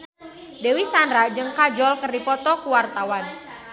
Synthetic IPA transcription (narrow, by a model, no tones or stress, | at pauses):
dewisanɾad͡ʒɨŋkad͡ʒɔlkərdipɔt̪ɔkuwart̪awan